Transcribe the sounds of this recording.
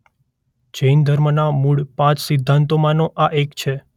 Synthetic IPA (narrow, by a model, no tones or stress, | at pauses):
d͡ʒəind̪ʱəɾmənamuɭpãt͡ʃsɪd̪ʱːãnt̪omãnoʔaʔekt͡ʃʰe